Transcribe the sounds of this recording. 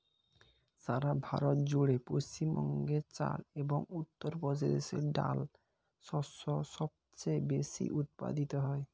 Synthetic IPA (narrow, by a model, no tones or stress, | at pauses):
saɾabʱaɾɔt̪d͡ʑuɽepost͡ɕimbɔŋɡet͡ɕa̰lebɔŋut̪ːɔɾpɔd͡ʑed̪esḛɖa̰l | sɔsɔsɔb̚ | t͡ɕejbesḭʔut̪̚pa̰d̪it̪ɔɦɔe